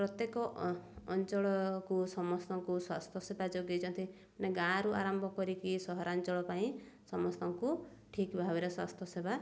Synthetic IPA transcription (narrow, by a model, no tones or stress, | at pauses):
pɾɔt̪jekɔɔnt͡ʃɔɭɔkusɔmɔst̪ɔŋkuswast̪ʰjɔsebad͡ʒoɡet͡ʃʰɔnt̪ʰi | neɡãɾuʔa̰ɾambʱɔkɔɾikisɔɦɔɾant͡ʃɔɭɔpaĩ | sɔmɔst̪ɔŋkuʈʰikbʱabiɾeswa̰st̪ʰjɔseba